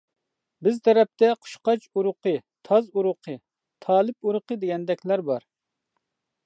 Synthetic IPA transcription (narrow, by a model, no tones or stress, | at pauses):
bɪzt̪ʰɛɾɛp̚t̪ʰɛqʰʊ̥ʃqɑt͡ʃuɾʊqʰɨt̪ʰɑzuɾʊqʰɨ | t̪ʰɑːlˠɪp̚uɾʊqəd̪ɪɡʲɛnd̪ɛkʲlæɾbɑɾ